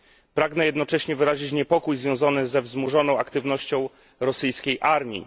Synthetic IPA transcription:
pɾaɡnɛjɛd̪nɔt͡ʂɛɕɲɛvɘɾaʑit͡ɕɲɛpɔkujzvʲjɔ̃w̃zɔnɘzɛvzmuʐɔnɔ̃w̃akt̪ɘvnɔɕt͡ɕɔ̃w̃ | ɾɔsɘjskʲejʔaɾmʲḭ

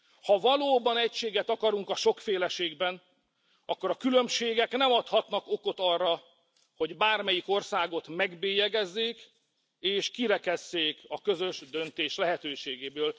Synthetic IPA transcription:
hɒvɒloːbɒnɛcʃeːɡɛt̪ɒkɒɾuŋkɒʃo̞kfeːlɛʃeːɡbɛn | ɒkːo̞ɾɒkylø̞mʃeːɡɛknɛmɒt̪hɒt̪nɒko̞ko̞t̪ɒrːɒ | ho̞ɟbaːrmɛjiko̞rsaːɡo̞t̪mɛɡbeːjɛɡɛzːeːk | eːʃkiɾɛkɛzːeːkɒkø̞zø̞ʒd̪ø̞nt̪eːʃlɛɦɛt̪øːʃeːɡeːbøːl

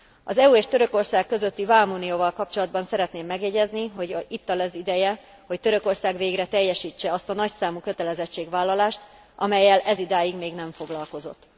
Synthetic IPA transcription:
ɒzɛuːeːʃt̪ø̞ɾøko̞rsaːkːø̞zøt̪ːivaːlmuːnioːvɒlkɒpt͡ʃo̞lɒd̪̚bɒnsɛɾɛt̪neːmːɛɡjɛɟɛzniɦo̞ɟit̪ːɒlɛzid̪ɛjɛ | ho̞ct̪ø̞ɾøko̞rsaːɡʋeːɡrɛt̪ɛjːɛʃiːt͡ʃːɛɒst̪ɒnɒcsaːmukø̞t̪ɛlɛzɛt͡ʃːeːɡʋaːlːɒlaːʃt̪ | ʔɒmɛjːɛlʔɛzid̪aːjiɡmeːɡnɛɱfo̞ɡlɒlko̞zo̞t̪ː

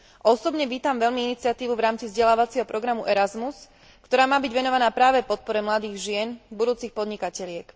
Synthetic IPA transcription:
ʔɔsɔbɲɛʋiːt̪amʋɛʎmiinit͡sɪat̪iːʋuvɾaːmt͡sivzɟɛlaːʋat͡sɪɛɦɔpɾɔɡɾamuʔɛɾazmus | kt̪ɔɾaːmaːbiɟʋɛnɔʋanaːpɾaːʋɛpɔt̪̚pɔɾɛmlad̪iːɣʒɪɛnbud̪uːt͡sixpɔd̪ɲikacɛʎɪɛk

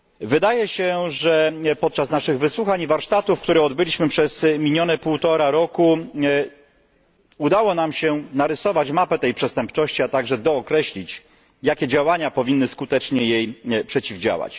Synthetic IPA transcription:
vɘd̪ajɛɕɛʐɛpɔt̪̚t͡ʂasnaʂɘɣvɘswuxaɲivaɾʂt̪at̪ufkt̪uɾɛɔd̪bɘlʲiɕmɘpʂɛzmʲiɲɔnɛpuwt̪ɔɾaɾɔku | ud̪awɔnamɕɛnaɾɘsɔvat͡ɕmapɛt̪ɛjpʂɛst̪ɛmpt͡ʂɔɕt͡ɕiat̪aɡʐɛd̪ɔːkɾɛɕlʲit͡ɕ | jakʲɛd͡ʑawaɲapɔvʲinːɘskut̪ɛt͡ʂɲɛjejpʂɛt͡ɕivd͡ʑa̰wa̰t͡ɕ

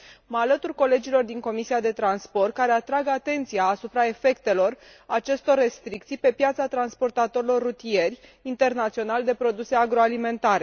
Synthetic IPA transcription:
məalət̪urko̞le̞d͡ʒilo̞rd̪iŋko̞misiad̪e̞t̪ɾanspo̞rt̪̚kaɾe̞at̪ɾaɡat̪e̞nt̪sijaːsupɾae̞fe̞kt̪e̞lo̞rat͡ʃe̞st̪o̞rːe̞st̪ɾik̚t̪sijpe̞pjat̪sat̪ɾanspo̞rt̪at̪o̞ɾilo̞rːut̪ie̞rʲint̪e̞rnat̪sio̞nald̪e̞pɾo̞d̪use̞aɡɾo̞alime̞nt̪aɾe̞

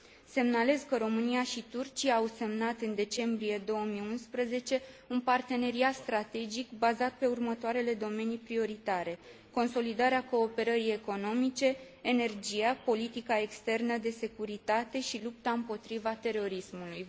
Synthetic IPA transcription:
se̞mnale̞zkəɾo̞mɨniaʃit̪urt͡ʃijaːwse̞mnat̪ɨnd̪e̞t͡ʃe̞mbɾije̞d̪o̞wəmiunspɾəze̞t͡ʃe̞unpart̪e̞ne̞ɾiat̪st̪ɾat̪e̞d͡ʒikbazat̪̚pe̞urmət̪oaɾe̞le̞d̪o̞me̞nipɾio̞ɾit̪aɾe̞ | ko̞nso̞lid̪aɾeako̞ːpe̞ɾəɾije̞ko̞no̞mit͡ʃe̞ː | ne̞rd͡ʒijapo̞lit̪ikae̞kst̪e̞rnəd̪e̞se̞kuɾit̪at̪e̞ʃilup̚t̪aɨmpo̞t̪ɾivat̪e̞ɾo̞ɾismuluj

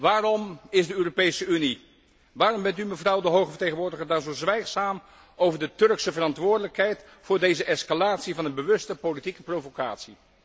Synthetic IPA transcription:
ʋaːrɔmɪzdəøːropejsəyni | ʋaːrɔmbɛntyməvrʌwdəɦowχəvəɹtejχənʋʊːɹdəχəɹdanzowzʋɛjχsaːm | owvəɹdətɵrksəvərɑntʋʊːɹdələkɦɛjt | fʊːɹdejzəʔɛskalaːtsivɑnənbəʋɵstəpolitikəprowvoka̰ːtsi

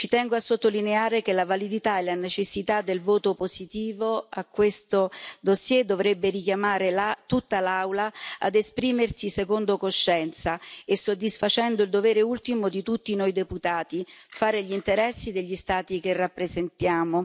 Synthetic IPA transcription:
t͡ʃit̪ɛŋɡoasːot̪ːolineaːɾekelavalid̪it̪aelanet͡ʃesːit̪ad̪ːelvoːt̪opozit̪iːvoakːwest̪od̪osjɛd̪ovɾebːeɾik̟jamaːɾelat̪ut̪ːalawlaa̰d̪espɾiːmersisekond̪okoʃːɛnt̪saesːod̪ːisfat͡ʃɛnd̪oild̪ovɛːɾeult̪imod̪it̪ut̪ːinojd̪eput̪aːt̪ifaːɾeʎint̪eɾɛsːid̪eʎːist̪aːt̪ikerːapːɾezent̪jaːmo

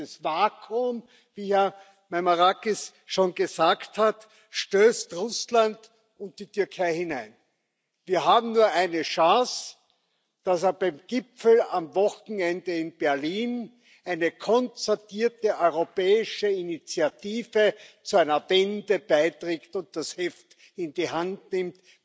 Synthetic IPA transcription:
əsvaːkʰʊm | viːja | mamaʁakis | ʃoːnɡəzaːkthat | ʃtøːstʁʊsland | ʊnt̚d̥itʏɐkʰaɪhɪnæɪn | viːɐɦaːbm̩nuːɐʔæɪnəʃɑ̃ːs | d̥aseɐb̥æɪmɡ̥ɪpfl̩amvɔxn̩ɛndəɪnb̥ɛɐliːn | ʔæɪnəkʰɔnt͡sɐtiːɐtəʔɔʏʁopɛːɪʃəinit͡sjatiːvət͡suæɪnɐvɛndəb̥aɪtʁeːktʊ̃nt̚d̥ashɛft | ɪndiɦantnɪmt

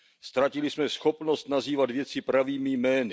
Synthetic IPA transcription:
st̪ɾacɪlɪsmɛsxo̞pno̞st̪naziːvat̪vjɛt͡sɪpɾaviːmɪjmɛːnɪ

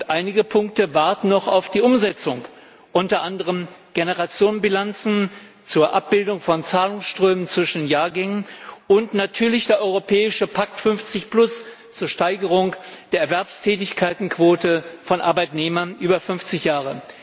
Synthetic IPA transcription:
ʊntʔaɪnɪɡəpʰʊŋk̚təvaɐtn̩nɔχaʊfd̥iːʔʊmzɛt͡sʊŋ | ʔʊntɐʔandəʁəmɡ̥enəʁat͡sjoːnnbilant͡sn̩ | t͡suːɐʔap̚b̥ɪldʊŋfɔnt͡saːlʊŋsʃtʁ̥øːmənt͡sv̥ɪʃnnjaːɐɡɛŋənʔʊntnatʰyːɐlɪçd̥eːɐʔɔʏʁopʰɛːɪʃəpʰak̚tfʏnft͡sɪçplʊs | t͡suːɐʃtaɪɡəʁ̞ʊŋd̥eːɐɛɐvɛɐpstʰɛːtɪçkʰaɪtn̩kv̥oːtəfɔnʔa̰ɐbaɪtneːmɐnʔyːbɐfʏnft͡sɪçjaːʁə

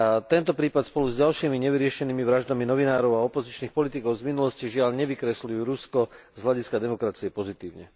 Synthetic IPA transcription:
at̪ɛnt̪ɔpɾiːpat̪spɔluzɟalʃiːmiɲɛʋiɾɪɛʃɛniːmiʋɾaʒd̪aminɔʋinaːɾɔʊaɔpɔzit͡ʃniːxpɔlit̪ikɔʊzminulɔsciʒɪaʎɲɛʋikɾɛslujuɾuskɔzɦlaɟiskad̪ɛmɔkɾat͡siɛpɔzit̪iːʊɲɛ̰

